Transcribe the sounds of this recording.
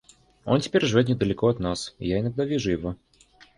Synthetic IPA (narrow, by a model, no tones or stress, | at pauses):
o̞ntʲɪ̥pʲeɾʲʐɨvʲot̪̬nʲɪd̪əlʲɪko̞ɐt̪nasɪ̰jaɪnɐɡ̚d̪avʲiʐʊjɪvo